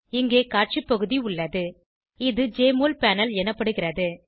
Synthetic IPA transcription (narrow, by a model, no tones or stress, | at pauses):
ɪŋɡeːkaːʈ̚t͡ʃipːɐɣɯðiʊɭːɐðɯ | ɪðɯd͡ʒeːmoːlpaːnɐlɛnɐpːɐɽɯɣɪrɐðɯ